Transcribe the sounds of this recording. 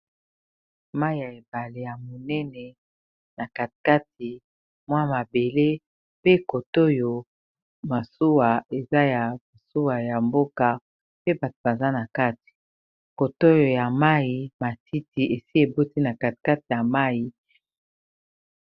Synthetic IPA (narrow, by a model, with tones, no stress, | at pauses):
ma˦i˨ja˨e˨ba˨le˨ja˨mo˨nɛ˦nɛ˨ | na˨ka˨tka˦ti˨ | mwa˦ma˨be˨le˦ | pe˦ko˨to˦jo˨ | ma˨su˦wa˨e˨za˦ja˨ma˨su˦wa˨ja˨mbo˦ka˨ | pe˦ba˨to̥˨ba˨za˦na˨ka˦ti̥˨ | ko˨to˦jo˨ja˨ma˦i˨ma˨ti˦ti˨ʔe˨si˦e˨bo˦ti˦na˨ka˨ti̥˨ka˦ti˨ja˨ma˦ji˨